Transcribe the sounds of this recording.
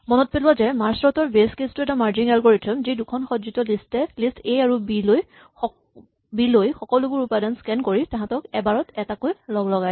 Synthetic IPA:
mɔnɔt̚pelʊwazɛmaɹsɹɔtɔɹbeskestʊɛtamaɹd͡ʒinalkoɹitʰɔmzidukʰɔnxɔtzitɔlistɛlistejaɹubiloj | bilojxɔkɔlubʊɹupadanskɛnkoɹitãɦãtɔkɛbaɹɔtɛtakojlɔɡlɔɡaj

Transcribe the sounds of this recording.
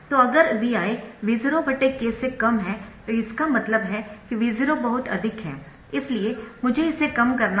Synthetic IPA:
t̪oɐɡəɾʋiːaːiʋizɾobɐʈekːeːsekɐmɦɛt̪oɪskamɐt̪ləbɦɛkiʋiːzɾobɐɦʊt̪ɐ̰d̪ʱɪkɦɛ̃ː | ɪsliemʊd͡ʒʱeɪsekɐmkɐɾna

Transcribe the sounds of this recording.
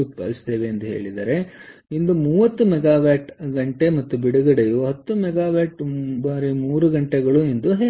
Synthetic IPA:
ut̪̚pɐ̰ːɾist̪eːʋe̞ɐnd̪uɦe̞̰ːɭid̪ɐ̰ːɾe̞ind̪umuːʋɐt̪ːumɛɡaːʋaːʈɡɐɳʈe̞mɐt̪ːubiɽuɡɐɽejuɦɐt̪ːumɛɡaːʋaːʈbaːɾimuːɾuɡɐɳʈeɡɐɭuind̪uɦe

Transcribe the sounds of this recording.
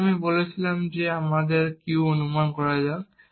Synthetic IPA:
mibolisilamzɛamadɛɹkiʊonumankɔɹaza

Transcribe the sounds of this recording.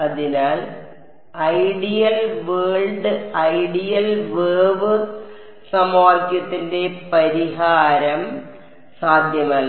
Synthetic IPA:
ɐðinaːl | ɐjɽijɐlʋeːɭɖɨɐjɽijɐlʋeːʋɨ | sɐmaːkʲːjɐt̪ːinde̞pɐɾiɦaːɾɐm | saːd̪ʱjɐmaːɭ

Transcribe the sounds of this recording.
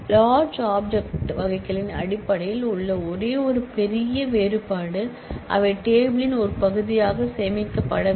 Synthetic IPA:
laːɾd͡ʒaːb̚d͡ʒɛk̚ʈʋɐɣɐɪkːɐɭɪnɐ̰ɽɪpːɐɽɐjɪlʊɭːɐɔɾeːɔɾɯpɛɾɪjɐʋeːɾɯpaːɽɯ | ʔɐ̰ʋɐʈeːbɪlɪnɔɾɯpɐɣɯðɪjaːɣɐseːmɪkːɐpːɐɽɐ

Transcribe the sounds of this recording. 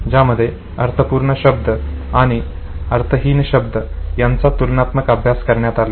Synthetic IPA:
d͡ʑaməd̪ʱːje | əɾt̪ʰəpuːɾɳəɕəb̚d̪ʱə | aɽ̃i | əɾt̪ʰəɦiːnɕəbd̪əjant͡sat̪ulnat̪məkəbʱjaskəɾɳjat̪ala

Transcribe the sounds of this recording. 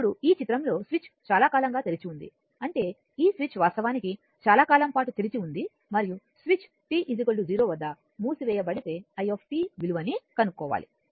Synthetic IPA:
ɽuiːt͡ʃit̪ɾɐmlo̞ːsʋit͡ʃt͡ʃaːlaːkaːlɐŋɡaːt̪elit͡ʃiund̪ḭ | ɐɳʈe̞ː | iːsʋit͡ʃʋaːɾst̪ɐʋaːniki | t͡ʃaːlaːkaːlɐmpaːʈut̪elit͡ʃiund̪i | mɐɾiju | sʋit͡ʃ | ʈiːʔid̪iɡoɭɖud͡ʒiːɾoːʋɐd̪ːɐ | muːsiʋɛːjɐbɐɽit̪e̞ːɐjopʰʈiːʋiluʋɐnikɐnukːɔːʋa̰ːlḭ

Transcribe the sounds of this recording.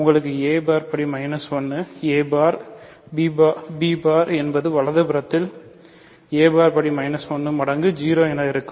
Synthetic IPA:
ʊŋɡɐɭɯk̬ːɯeːbaːɾpɐɽimɐɪnɐsʋɐnːɯeːbaːɾ | biːbabiːbaːɾɛnbɐðɯʋɐɭɐðɐpɯɾɐt̪ːɪl | eːbaːɾpɐɽimɐɪnɐsʋɐnːɯmɐɽɐŋɡɯd͡ʒiːɾoːɪnaːɪɾɯkːɯm

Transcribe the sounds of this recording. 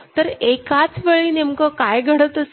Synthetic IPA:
t̪əɾekat͡sʋəɭinemkəkajɡʱəɽət̪əs

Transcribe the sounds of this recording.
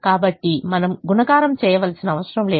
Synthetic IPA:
kaːbɐʈːimɐnɐmɡunɐɡaːɾɐmt͡ʃɛːjɐʋɐlsinɐːʋɐsɾɐmleː

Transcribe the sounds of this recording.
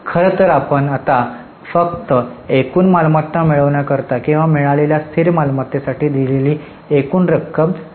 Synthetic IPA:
kʰəɾət̪əɾapəɳat̪a | fəkt̪əekuːnmalmat̪ːamiɭəʋɳjakəɾt̪akĩw̃ʋamiɭaleljast̪ʰiɾmalmat̪ːesaʈiːd̪ileliː | ekuːnɾəkʰːəm

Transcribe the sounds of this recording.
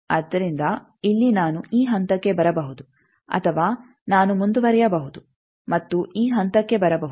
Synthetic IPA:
ɐd̪ːɐɾind̪ɐ | ilːinaːnuiːɦɐnt̪ɐkːe̞bɐɾɐbɐɦud̪u | ɐ̰t̪ʰɐʋaː | naːnumund̪uʋɐɾɛjɐbɐɦud̪u | mɐt̪ːuiːɦɐnt̪ɐkːe̞bɐɾɐbɐɦu

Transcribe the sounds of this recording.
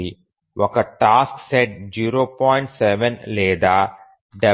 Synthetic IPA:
i | ʋɔkɐʈaːskseʈ̚d͡ʒiːɾoːpɔːjɪ̃ɳʈsɛʋə̃nleːd̪aː | ɖɛ

